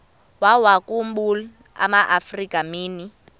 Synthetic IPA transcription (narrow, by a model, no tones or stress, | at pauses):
wawakumbul | a̰maʔafrikʼamiːni